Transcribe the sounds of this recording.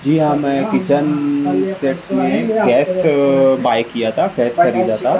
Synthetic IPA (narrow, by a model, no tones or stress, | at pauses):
d͡ʒiːɦãmẽkɪt͡ʃənsʈeːʈmẽɡɛːsbaːjkijat̪ʰakɛːskɐɾiːd̪aːt̪a